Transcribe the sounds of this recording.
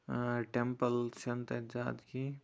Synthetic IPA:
ʈempəlt͡ʃɐnt̪əd͡ʒaːd̪ki

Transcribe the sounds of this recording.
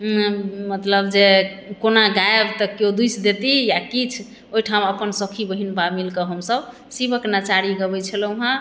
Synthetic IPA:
mət̪ləbd͡ʒekonaɡaebt̪ɔkjod̪ujt͡ʃʰd̪et̪ijakit͡ʃʰ | oɦiʈʰãəpənsəkʰibəɦinbamilkəɦəmsəb | sibəknət͡ʃaɾiɡəbɛt͡ʃʰəluɦã

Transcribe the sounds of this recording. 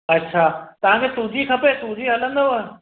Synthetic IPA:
ɐtːɕʰaːt̪ɐʋ̤ãkʰeːt̪ũd͡ʑʱikʰɐpet̪ũd͡ʑiɦɐlə̃nd̪o

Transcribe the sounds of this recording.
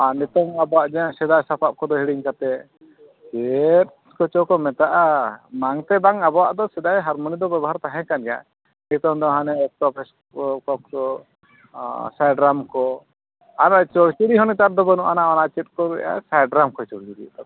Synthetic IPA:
anit̪ɔŋabɔwaʔd͡ʒaãsɛd̪ajsapʰap̚kɔd̪ɔɦiɽiŋkat̪ɛ | t͡ʃɛt̪̚ | kɔt͡ʃɔkɔmɛt̪aʔamaŋt̪ɛbaŋabɔwaʔd̪ɔsɛd̪ajɦaɾmɔnid̪ɔbɛbɔɦaɾt̪aɦɛ̃kanɡja̰ | nit̪ɔŋd̪ɔɦanɛɔstɔpʰɛs | ɔkɔp̚kɔ | sajɖɾamkɔ | anat͡ʃɔɽt͡ʃiɾiɦɔnit̪aɾd̪ɔbənuʔanaɔnaʔt͡ʃɛt̪̚kɔɾɛ̰ʔa̰sajɖɾamkɔt͡ʃɔɽt͡ʃiɾḭʔd̪ɔ

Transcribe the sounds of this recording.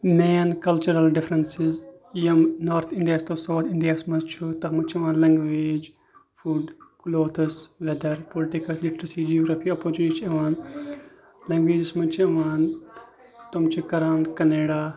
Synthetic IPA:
meːnkɐlt͡ʃuɾɐlɖɪfɾɐnsɪz | jɐmnoːɾt̪ʰɪɳɖijaːst̪oːsaːt̪ʰɪɳɖijaːsmɐzt͡ʃʰut̪ɐmɐt͡ʃʰiɐʋaːnlɐ̃ŋɡʋeːd͡ʒ | fuːɖkuloːt̪ʰɐsʋɛd̪ɐɾpoːlɪʈikɐslikʈɾisid͡ʒioːɡɾapʰiːopoːɾt͡ʃuniʈʰiɐʋaːn | lɐ̃ŋɡʋeːd͡ʒɐsmɐt͡ʃʰiɐʋaːn | t̪omt͡ʃʰikɐɾaːnkɐneːɽaː

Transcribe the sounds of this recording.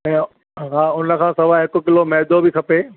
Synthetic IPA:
ɛ̃ː | ɦaːʊnə̆kʰãːsɐʋaɦɪkʊ̆kɪlomɛɦd̪obɪkʰɐpeː

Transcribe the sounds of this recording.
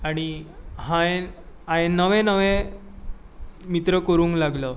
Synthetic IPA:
aɽ̃iɦãeãenəʋẽnəʋẽ | mit̪ɾəkəɾũːŋklaɡlə

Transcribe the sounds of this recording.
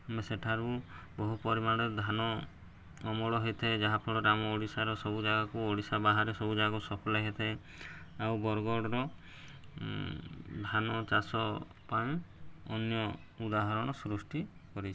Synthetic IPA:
ameseʈʰaɾubɔɦupɔɾimaɽ̃ed̪ʱanɔː | mɔɭɔɦet̪ʰad͡ʒaɦapʰɔɭɔɾamɔoɽisaɾɔsɔbud͡ʒaɡakuoɽisabaɦaɾesɔbud͡ʒaɡakusɔpʰɔlaɦet̪ʰae | awbɔɾɡɔɽɔɾɔ | d̪ʱanɔt͡ʃasɔ | paĩɔnjɔ | ud̪aɦɔɾɔɽ̃ɔsɾusʈikɔɾit͡ʃʰi̥

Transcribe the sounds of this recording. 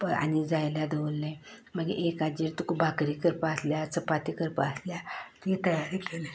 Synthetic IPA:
pəa̰nid͡zajljad̪eʋəlːẽ | m̤əɡḛʔekad͡ʑeɾt̪ukubakɾikəɾpaəsljat͡səpat̪ikəɾpa̰əsljat̪it̪əjaɾikele

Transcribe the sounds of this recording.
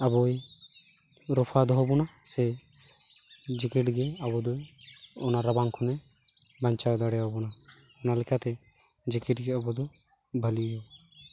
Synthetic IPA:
abɔj | ɾɔpʰad̪ɔɦɔbɔnasɛ | d͡ʒikiʈɡɛabɔd̪ɔɔnaɾabaŋkʰɔnɛ | baɲt͡ʃawd̪aɽɛjaɦɔbɔna | ɔnalɛkʰat̪ɛ | d͡ʒikiʈɡɛabɔd̪ɔ | bʱəlijɔ

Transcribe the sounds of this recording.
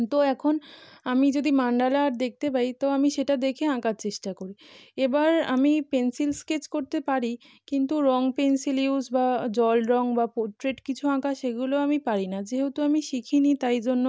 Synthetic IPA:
t̪oɛkʰonamid͡ʑod̪imaɳɖalaɾd̪ek̚ʰt̪epait̪oamiʃeʈad̪ekʰeãkaɾt͡ɕeʃʈakoɾiebaɾa̰mipensilsket͡ɕkoɾt̪epaɾi | kint̪uɾɔŋpensiliusbad͡ʑɔlɾɔŋbapoɾʈɾeʈkit͡ɕʰuãkaʃeɡuloamipaɾinad͡ʑeɦot̪uamiʃikʰinit̪ajd͡ʑonːo

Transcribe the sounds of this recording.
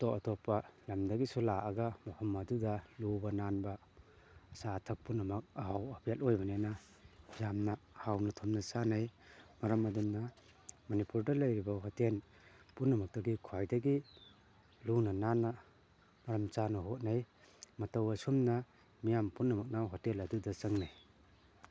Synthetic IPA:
tɔʔatɔpːɐlɐmdɐɡisulaʔaɡɐmohʰɔmːadudɐlubɐnanbɐː | saːtʰɐk̚punːɐmɐk̚ɐhawapʰijatojbɐnena | jamnɐhawnɐtʰɔmnɐt͡ʃanajmɐɾɐmɐdumnɐ | mɐnipuɾdɐlɐjɾibɐɦoten | punːɐmɐk̚tɐɡikʰuajdɐɡi | lunɐnanːɐ | mɐɾɐmt͡ʃanɐɦot̚naj | mɐtɐwɐsumnɐ | mijampunːɐmɐk̚nawɦotelɐdudɐt͡ʃɐŋnaj

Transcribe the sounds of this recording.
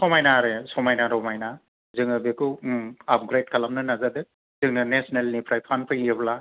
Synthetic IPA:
sɔmajnaɾesɔmajnaɾɔmajna | zɯŋɯbikuap̚ɡɾejd̚kʰalamnɯnazadɯ | z̥ɯŋnɐnesnelnipʰɾajpʰanpʰɯjiebla

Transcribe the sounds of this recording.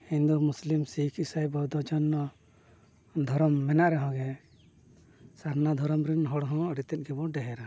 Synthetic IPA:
hind̪umuslimsikʰisajbɔd̪ɔd͡ʒɔnːɔ | d̪ʱɔɾɔmːɛnaʔɾɛɦɔ̃ɡɛ | saɾnad̪ʱɔɾɔmɾinɦɔɽɦɔ̃əɖit̪ɛt̪̚ˀɡɛbɔɖɛɦɛɾa

